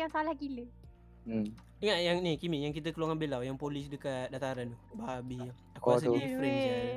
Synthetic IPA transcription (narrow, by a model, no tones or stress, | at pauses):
ansalahkilə | iŋaʔjaŋnikimijaŋkit̪̬əkəluaŋanbelawjaŋpolisdəkadat̪aɾant̪ubabijaŋ | akas̬əifəɾɛnsia